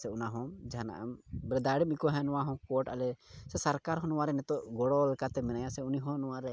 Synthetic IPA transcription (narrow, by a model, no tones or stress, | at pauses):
sɛunaɦɔ̃d͡ʒaɦana̰ʔa̰mbɾɛd̪aɽimikɔɦɛ̃nɔwaɦɔ̃kɔʈalɛsɛsaɾkaɾɦɔnɔwaɾɛnɛt̪ɔʔɡɔɽɔlɛkat̪ɛmɛnajasɛuniɦɔ̃nɔwaɾɛ